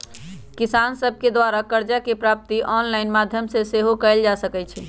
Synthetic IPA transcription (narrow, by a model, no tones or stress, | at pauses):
kisansəbʱked̪waɾakəɾd͡ʒakepɾap̚t̪iʔɔnlaɪnmad̪ʱjəmseseɦokɛɪld͡ʒasəkɛt͡ʃʰɛ